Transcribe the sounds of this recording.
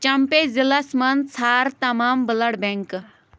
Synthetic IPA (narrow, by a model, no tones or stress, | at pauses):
t͡ɕɐmpezilɐsmɐnt͡sʰaɾt̪ɐmaːmbələɽbẽŋk